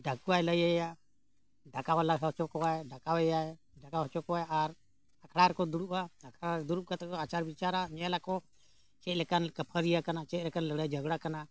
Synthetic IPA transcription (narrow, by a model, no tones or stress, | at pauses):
ɖʱakuwajləjaja | ɖakawalaɦɔt͡ʃɔkɔwaɛɖakawɛjaɛ | ɖakaɦɔt͡ʃɔkɔajaʔaɾ | akʰɽaɾkɔd̪uɾuʔaakʰɽaɾd̪uɾuʔkat̪akɔat͡ʃaɾbit͡ʃaɾaɲɛlakɔ | t͡ʃɛt̪̚lɛkankəpʰəɾijakanat͡ʃɛlɛkanləɡɽajd͡ʒəɡɽakana